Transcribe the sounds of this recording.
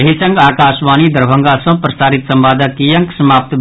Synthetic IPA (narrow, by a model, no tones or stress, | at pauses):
ɐɦisə̃ŋɡaːkaːsbaːnid̪əɾbʱəŋɡasə̃pɾɐsaːɾit̪sɐmbaːd̪ʱakijɐŋksɐmaːp̚t̪b